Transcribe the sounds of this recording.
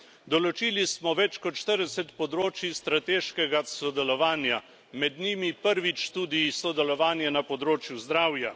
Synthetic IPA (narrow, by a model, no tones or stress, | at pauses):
d̪ɔlɔt͡ʃiːlismɔʋɛt͡ʃkɔt̪ʃt̪əɾd̪ɛsɛt̪pɔd̪ɾoːt͡ʃist̪ɾat̪eːʃkɛɡasɔd̪ɛlɔʋaːnja | mɛd̪nʲiːmipəɾʋit͡ʃt̪ud̪isɔd̪ɛlɔʋaːnjɛnapɔd̪ɾoːt͡ʃjuzd̪ɾaːwja